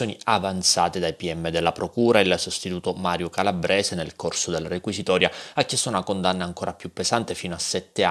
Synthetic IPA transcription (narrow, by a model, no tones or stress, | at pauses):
joːniavant̪sa̰ːt̪ed̪ajpiɛmːed̪elːapɾokuːɾailsost̪it̪uːt̪omaːɾjokalabɾʔɛːzenelkorsod̪elrekwisit̪ɔːɾjaakːjɛst̪ːaunakond̪anːaːŋkoːɾʔapjupːezant̪efiːnoasːɛt̪ːe